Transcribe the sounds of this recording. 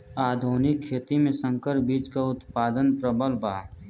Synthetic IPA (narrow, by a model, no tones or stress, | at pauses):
aːd̪ʱoːnɪkʰːeːt̪imẽsə̃ŋkəɾbiːd͡ʒkaʊt̪paːd̪ənpɾəbəlbaː